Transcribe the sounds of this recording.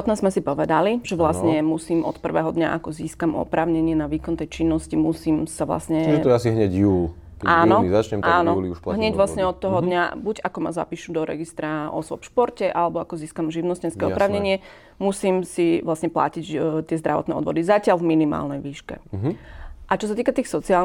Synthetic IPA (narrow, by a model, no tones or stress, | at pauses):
ɔt̪nazmɛsipɔʋɛd̪aliʒɛʋlasɲɛmusiːmɔ̰t̪pr̩ʋɛ̰ːɦɔd̪ɲa̰ʔakɔziːskamɔ̰pɾaːʊɲɛɲɪɛnaʋiːkɔnt̪ɛjt͡ʃinːɔscimusiːmsaʋla̰sɲɛiʒɛɔɛasiɦɲɛɟjuːl | kɛʔaːnɔizat͡ʃɲɛmt̪aːnɔuliuʃaɦɲɛɟʋlasɲɛɔt̪ːɔɦɔdd̪ɲabuɟakɔmaza̰piːʃud̪ɔɾɛ̰ɡist̪ɾaʔɔ̰sʋɔ̰pʃpɔɾcɛʔalɛbɔakɔziːskamʒiʊnɔscɛnskɛɔpɾaːʊɲɛɲɪɛ | musiːmsiʋlasɲɛpla̰cict̪ɪɛzd̪ɾaʋɔ̰t̪nɛ̰ːɔ̰d̪ʋɔd̪izacɪalvminima̰ːlnɛjʋiːʃkɛ̰ | ʔat͡ʃɔs̬at̪iːkat̪iːxsɔt͡siaːl